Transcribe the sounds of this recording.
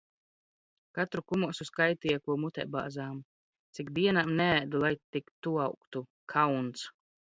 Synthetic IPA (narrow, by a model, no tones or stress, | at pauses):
kat̪ɾukumuɔsuskajt̪ijɛkuɔmut̪ɛ̰ba̰ːzaːm | t̪sikd̪iɛnamnɛæːd̪ulˠajt̪ikt̪uawkt̪u | kʰawnt̪s